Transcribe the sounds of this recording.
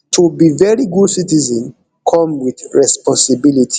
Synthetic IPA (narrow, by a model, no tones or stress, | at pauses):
tʰobivɛɹiɡudsitizə̃n | kʰɔ̃mwiθɹɛspɔ̃nsibilitʰi̥